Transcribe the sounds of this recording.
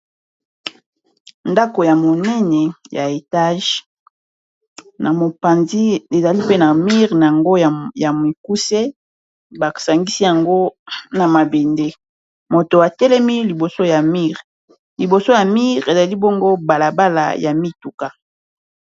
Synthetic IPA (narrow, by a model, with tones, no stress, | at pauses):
nda˦ko˨ja˨mo˨nɛ˦nɛ˨ja̰˨e˨ta˦ʒ | nʔa˨mo˨pa˨nzi˦e˨za˨li˦pe˦na˨mi˦ʁna˨ja˨ŋɡo˦˨ja˨mi˨ku˦se˦ | ba˨sa˨ŋɡi˦si˦ja˨ŋɡo˦na˨ma˨be˨nde˦ | mo˨to˨a˨tɛ˦lɛ˦mi˦li˨bo˨so˦ja˨mi˦ʁ | li˨bo˨so˦ja˨mi˦ʁe˨za˨li˦bo˦ŋɡo˦ba˨la˨ba˦la̰˨ja̰˨mi˦tu˨ka˦